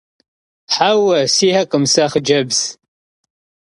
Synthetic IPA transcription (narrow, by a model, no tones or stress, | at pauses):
ħawɐsiːhɐkʼəmsɐχd͡ʒɐbz